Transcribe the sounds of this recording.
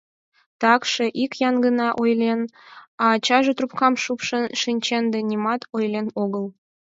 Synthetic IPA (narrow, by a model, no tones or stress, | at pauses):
t̪ɑkʃɤ̆ʔikjɑnɡənɑʔojlʲenɑt͡ɕɑʒɤ̆t̪rupkɑmʃupʃə̆nʃinʲt͡ɕend̪ĕnʲimɑt̪ojlʲenoɣəlˠ